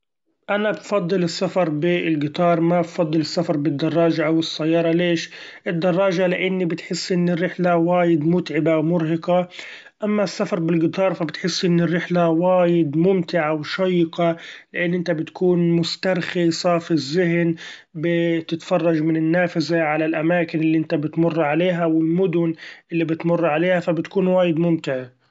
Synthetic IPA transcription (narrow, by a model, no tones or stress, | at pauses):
ʔanabfɑd̪ˤːɨlɪsːafɑɾˤbɪɪlɡɪt̪ɑːɾˤmabfɑd̪ˤːɨlɪsːafɑɾˤbɪd̪ːɑrˤːɑːʒaʔawɪsːajːɑːɾˤɑleːʃʔɪd̪ːɑrˤːɑːʒalɪʔɪnːibɪt̪ħɪsːʔɪnːɪrːɪħlawaːjɪd̪mʊt̪ʕɪbawmʊɾhɪqɑ | ʔamːasːafɑɾˤbɪlɡɪt̪ɑːɾˤfabɪt̪ħɪsːʔɪnːɪrːɪħlawaːjɪd̪mʊmt̪ɪʕawʃɑjːɪqalɪʔanːʔɪnt̪abɪt̪kuːnmʊst̪ɑɾˤxisˤɑfizːɪɦn | bɪt̪ɪt̪fɑrˤːɑd͡ʒmɪnɪnːaːfasaʕalalʔamaːkɪnɪlːiʔɪnt̪abɪt̪mʊrˤːʕaleːɦawɪlmʊd̪ʊnʔɪlːibɪt̪mʊrˤːʕaleːhafabɪt̪kuːnwaːjɪd̪mʊmt̪ɪʕa